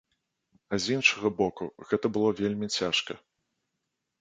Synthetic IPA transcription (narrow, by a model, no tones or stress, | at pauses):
ɐzʲinʂɐɣɐbɔkuɣɛt̪ɐbɨlˠɔvʲelʲmʲit͡sʲaʂkɐ